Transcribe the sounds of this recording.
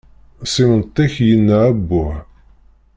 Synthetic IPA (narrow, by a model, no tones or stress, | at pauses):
sˤimənt̪ˤːæçjənːææbːʊʕ